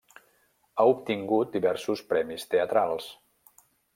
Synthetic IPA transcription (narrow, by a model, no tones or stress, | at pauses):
aupt̪iŋɡut̪̚d̪iβɛɾsuspɾɛmist̪eət̪ɾalˠs